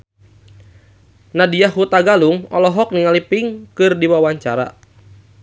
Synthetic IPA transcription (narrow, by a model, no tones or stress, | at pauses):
nadijaɦut̪aɡaluŋɔ̰lɔɦɔk̚niŋalipɪŋkɨrdiwawaɲt͡ʃaɾa̰